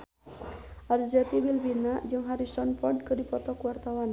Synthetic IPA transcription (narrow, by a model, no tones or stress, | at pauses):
ʔard͡ʒat̪ibilbinad͡ʒɨŋɦaɾisɔnpɔrd̚kɨdipɔt̪ɔkəwart̪awan